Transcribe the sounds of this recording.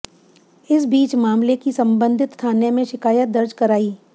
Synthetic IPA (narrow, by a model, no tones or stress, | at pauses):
ɪs̬biːt͡ʃmaːmlekisɐ̃mbə̃nd̪ʱɪt̪st̪ʰaːnemẽʃɪkaːjət̪̚d̪ɐɾd͡ʒkɐɾaːiː